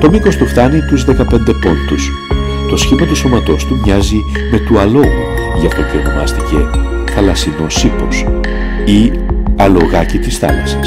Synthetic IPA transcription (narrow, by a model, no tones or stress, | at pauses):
t̪o̞miko̞st̪uft̪ɐnit̪uzðe̞kɐpe̞nd̪e̞po̞nt̪us | t̪o̞sçimɐt̪uso̞mɐt̪o̞st̪umɲɐzi | me̞t̪uɐlo̞ɣu | ʝɐft̪o̞ceo̞no̞mɐ̰st̪ice̞ | xɐlɐsino̞sipo̞s | i | ɐlo̞ɣɐcit̪isθɐ̰lɐ̰si̥s